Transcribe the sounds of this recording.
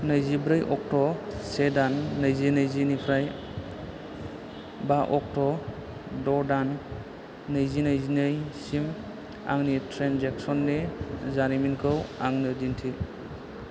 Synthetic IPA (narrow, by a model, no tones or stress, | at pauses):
nɐjzibɾɯjʔɔk̚tɔsedanːəjzinajzinipʰɾaj | baʔɔk̚tɔ | dɔdanː | ɐjzinajzinɯjsim | a̰ŋnitʰɾenzek̚sɔnːezaɾiminkʰɯwaŋnɯdintʰi